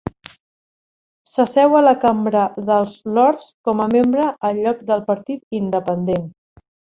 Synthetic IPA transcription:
səsɛwələkambɾəðəlˠzlɔɾskɔməmembɾəʔːʎɔk̚d̪əlˠpəɾt̪it̪ind̪əpənd̪en

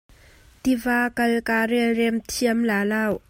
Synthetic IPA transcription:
t̪ivaːkɐlkaːrɛlrɛmt̪ʰiəmlaːlaːw

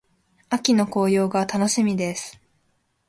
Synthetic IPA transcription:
akʲino̞ko̞ːjo̞ːɡat̪ano̞ɕimʲid̪e̞sɨ̥

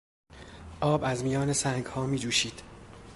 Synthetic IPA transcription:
ʔɒːbæzmijɒːnesæŋɡhɒːmiːd͡ʒuːʃiːd̪̥

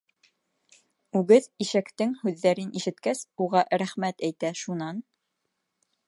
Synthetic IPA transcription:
ʉɡɘðiʃækt̪ɘŋhʉðːæɾɘniʃɘ̆t̪kæsuʁɑɾæχmæt̪æjt̪æʃunɑn

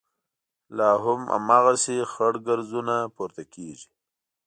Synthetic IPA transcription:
lɑːɦʊma̰mɑːɣasexaɽɡaɾzunapuɾt̪akeʒi

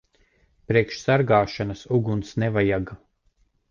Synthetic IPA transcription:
pɾiɛkʃsaɾɡaːʃanasuɡunsnɛvajaɡa

